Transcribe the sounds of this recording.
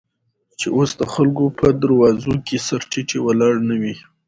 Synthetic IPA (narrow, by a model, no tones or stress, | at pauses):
t͡ʃeʔosd̪əxalɡopəd̪aɾwɑzokesaɾʈiʈewalɑɽnawi